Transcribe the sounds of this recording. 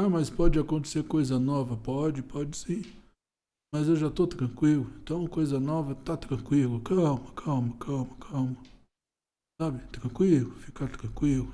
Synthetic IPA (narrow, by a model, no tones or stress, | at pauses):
amɐspɔd͡ʒɪakõnt̪e̥seɾkojzɐnɔvɐpɔd͡ʒɪpʰɔd͡ʒɪsĩ | mɐzewʒat̪ot̪ɾɐ̃kwilʊẽnt̪ɐ̃w̃kojzɐnɔvɐt̪at̪ɾɐ̃kwilʊkawmɐkʰawmɐkʰawmɐkʰɐwmɐ | sabɪt̪ɾɐ̃kwilʊfi̥kat̪ɾɐ̃kwilʊ